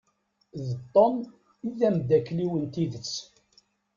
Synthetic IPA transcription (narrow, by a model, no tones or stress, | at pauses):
ðət̪ˤːən | iðæmd̪ækːliwənt̪iðət͡sː